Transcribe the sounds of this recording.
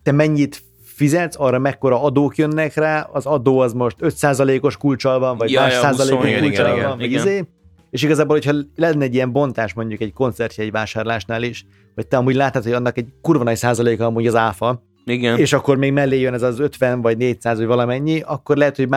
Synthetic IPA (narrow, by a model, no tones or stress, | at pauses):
t̪ɛmɛɲːit̪ | fizɛt̪sɒrːɒmɛkːo̞ɾɒɒd̪oːkjønːɛkraːʔɒzɒd̪oːɒzmo̞ʃt̪øt̪saːzɒleːko̞ʃkult͡ʃɒlbɒɱvɒɟmaːʃsaːzzɒleːkoʃult͡ʃɒɒɱvɒɟizeː | eːʃiɡɒzaːbolho̞chɒlɛnːɛɟːijɛɱbo̞nt̪aːʃmo̞ɲɟukɛɟko̞nt̪sɛrt̪jɒɛɟvaːʃaːrlaːʃnaːliʃ | hɒc̚t̪ɛɒmuːɟlaːt̪ːat̪hoɒnːɒkɛɟkurvɒnɒjsaːzɒleːkɒmuɲɟɒzaːfɒ | iɡɛneːʃɒkːo̞rmeːɡmɛlːeːjønɛzɒzø̞t̪ʋɛnvɒɟneːɟsaːzɒɟvɒlɒmɛɲːiʔɒkːo̞rlɛɦɛt̪ho̞ɟma